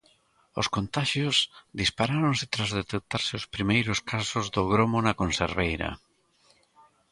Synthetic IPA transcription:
ʊ̰skont̪aʃjosðispaɾaɾõŋsɪt̪ɾazðet̪ek̚t̪aɾsɪʊspɾimejɾʊskasʊzðʊɣɾomonakonsḛɾβejɾɐ̰

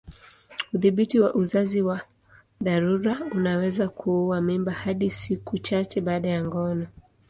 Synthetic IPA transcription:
uðiɓitiwaʔuzaziwa | ðaɾuɾaunawɛzakʰuuwamimbahaɗisikut͡ʃat͡ʃɛɓaːɗajaŋɡɔnɔ

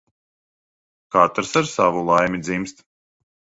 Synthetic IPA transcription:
kat̪ɾsaɾsavulˠajmʲid̪zimst̪

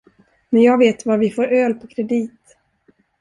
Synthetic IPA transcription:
mɛnjɑːɡveːt̪vaɾvɪfoːɾøːlpʰɔkʰɾɛd̪iːt̪

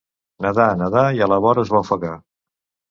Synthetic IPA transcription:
nəðanəðaiələβ̞ɔɾəːzβawfəɣa

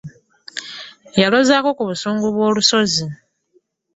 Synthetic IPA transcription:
jalozaːko̞kuβusuːŋɡuβwo̞ːluso̞zi

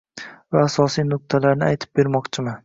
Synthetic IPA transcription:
vaːsɒsijnʊq̚t̪ʰalaɾnɪajt̪ʰɪ̥p̚be̞ɾmɒqt͡ʃʰɪma

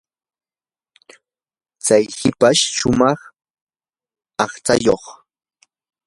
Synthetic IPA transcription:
t͡sajhɪpaʃʃʊmɑχ | ɑχt͡sajoχ

